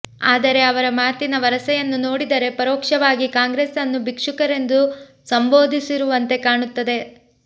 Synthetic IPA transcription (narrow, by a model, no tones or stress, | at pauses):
aːd̪ɐɾe̞ɐʋɐɾɐmaːt̪inɐʋɐɾɐsɐjɐnːuno̞ːɽid̪ɐɾe̞pɐɾɔːkʂɐʋaːɡikaːŋɡɾeːsɐnːubʱikʂukɐɾe̞nd̪u | sɐmbo̞ːd̪ʱisiɾuʋɐnt̪e̞kaːɳut̪ːɐd̪e̞